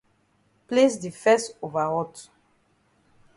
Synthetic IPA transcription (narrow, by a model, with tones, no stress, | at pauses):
ple˦sdi˨fɛ˦sto˨va˨ʁɔ˦t